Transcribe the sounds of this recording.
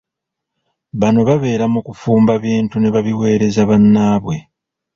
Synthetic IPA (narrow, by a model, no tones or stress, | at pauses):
βano̞βaβe̞ːɾamukufuːmbaβiːntune̞βaβiwe̞ːɾe̞zaβanːaːβwe̞